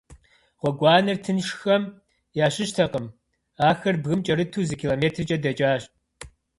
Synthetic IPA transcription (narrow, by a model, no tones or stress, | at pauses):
ʁʷɔɡʷɑːnɐrtʰɨnʃxɐm | jaːɕɪɕtʰɐqəm | aːxɐrbɣɨmt͡ʃʼɐɾɨtʰuːzɨkʰiːloːmeːtʰrɨt͡ʃʼɐdɐt͡ʃʼaːɕ